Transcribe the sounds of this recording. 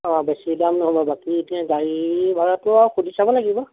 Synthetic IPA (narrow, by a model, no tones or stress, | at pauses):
ɔ̃bɛsilamnɔɦɔbɔbakitĩãɡaɹibʱaɹatʊaxudʱisabɔlaɡibɔ